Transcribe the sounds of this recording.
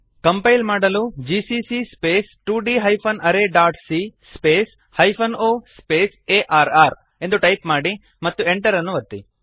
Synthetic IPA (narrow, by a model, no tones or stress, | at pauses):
kɐmpɐjlmaːɽɐlud͡ʒiːsisispeːsʈuːɖiːɦɐjpʰɐnɐɾeːɖaːʈsispeːs | hɐjpʰɐnoːspeːseːʔaːɾaːɾ | e̞nd̪uʈɐjpmaːɽi | mɐt̪ːueɳʈɐɾɐnːuʋɐt̪ːi